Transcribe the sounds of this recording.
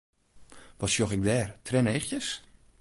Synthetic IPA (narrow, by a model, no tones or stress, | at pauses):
ʋɔsjoxɛk̚dɛːrtʰrɛnejxjəs